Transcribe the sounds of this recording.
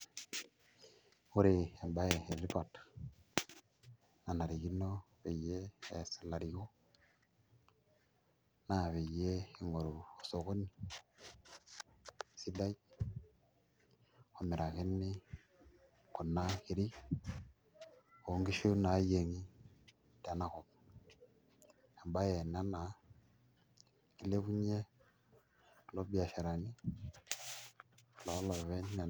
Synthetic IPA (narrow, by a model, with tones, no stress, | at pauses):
o˦ɾe˨e˨mba˦je˨e˨ri˦pa˨t | na˨na˨ɾi˨ɣi˦no˦ | βe˨jeː˦˨sla˨ɾi˨ɣo˦ | na˨βe˨je˦i˨ŋo˨ɾo˨o˨so˨ko˦ni˦˨ | si˦da˦i˦ | ko˨mi˨ɾa˨ki˦nːi˦ | ku˨nːa˦ki˨ɾi˦ | ko˨˦ŋɡi˦ʃo˦na˨˦je˨ŋi˦ | ta˨na˦ko˨m | a˨mba˦je˨na˦na˨˦ | ki˦le˦ku˦ɲe˦˨ | lo˦bi˦a˨ʃa˨ɾa˨ni˦˨ | lo˨˦lo˨ve˦nːa˨